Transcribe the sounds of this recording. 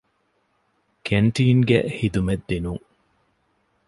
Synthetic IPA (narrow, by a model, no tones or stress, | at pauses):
kʰeɳʈiːŋɡḛhid̪umed̪ːinuŋ